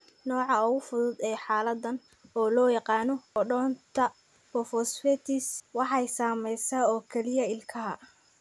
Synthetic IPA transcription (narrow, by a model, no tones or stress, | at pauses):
nɔːʕɑʊɣʊfʊðʊd̪ɛːħɑːlɐd̪ɐn | ɔːlɔːjɑqɑːnɔɔɖɔːnt̪ʰɐ | fɔfɔsfɛt̪ʰɪswɑħɑjsaːmɛjsɐɔːkʰɛlɪjɐɪlkʰɐɦɐ